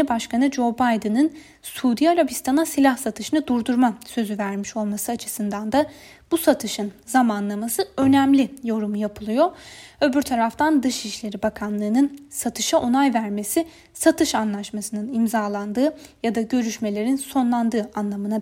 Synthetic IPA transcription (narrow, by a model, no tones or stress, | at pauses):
ibaʃkʰanɯd͡ʒo̞bajd̪ɯnɯn | suːd̪ijaɾabist̪ʰanasilʲahsat̪ʰɯʃɯnɯd̪uɾd̪uɾmasø̞zyvæɾmiʃo̞lˠmasɯat͡ʃʰɯ̥sɯnd̪and̪a | b̥usat̪ʰɯʃɯnzamanlˠamasɯø̞næmlʲijo̞ɾumujapʰɯlˠɯjoø̞byɾt̪ʰaɾaft̪ʰand̪ɯʃiʃlʲe̞ɾibakʰanlˠɯːnɯnsat̪ʰɯʃaʔo̞najvæɾme̞si | sat̪ʰɯʃanlˠaʃmasɯnɯnimzaːlˠand̪ɯːjad̪aɟø̞ɾyʃme̞lʲe̞ɾinso̞nlˠand̪ɯːʔanlˠamɯna